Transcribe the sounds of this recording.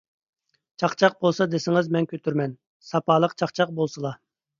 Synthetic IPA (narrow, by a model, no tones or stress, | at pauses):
t͡ʃʰɑqt͡ʃʰɑq̚bolˠsɑd̪ɪsɪŋɪzmɛnkʲʰøt̪ʰyɾmɛn | sɑpʰɑːlˠəqt͡ʃʰɑqt͡ʃʰɑq̚bolˠsɨlˠɑ